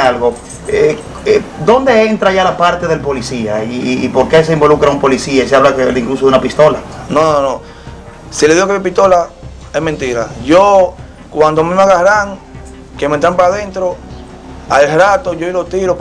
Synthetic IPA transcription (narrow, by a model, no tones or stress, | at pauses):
alɣo | e | ed̪o̞nd̪e̞ent̪ɾaʝalapaɾt̪eðe̞lpo̞lisiaiːpo̞ɾke̞s̬e̞imbo̞lukɾaumpo̞lisiasaβlakeiŋklus̬ounapist̪o̞lanononõ | sileðiɣokeipist̪o̞la | esment̪iɾaʝo | kwand̪omĩmaɣahɾaŋ | kemẽnt̪ɾampaɾaðe̞nt̪ɾo̞ | a̰eɾat̪oʝoilot̪iɾo